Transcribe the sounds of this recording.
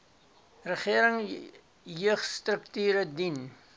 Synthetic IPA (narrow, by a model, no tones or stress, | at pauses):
rəχiəɾəŋ | jøəχstrək̚tyːɾədin